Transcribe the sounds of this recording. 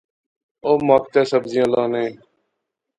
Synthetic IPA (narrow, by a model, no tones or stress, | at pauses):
oːmaːk̚t̪eːsəbzɪjãːlaːnẽː